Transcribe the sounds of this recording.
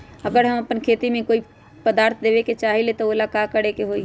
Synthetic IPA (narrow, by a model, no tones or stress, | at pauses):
ɐɡəɾɦəmɐpənkʰeːt̪imẽkoːi | pəd̪aːɾt̪ʰd̪eːʋeket͡ʃaːɦelet̪ooːlakakəɽekeɦoːi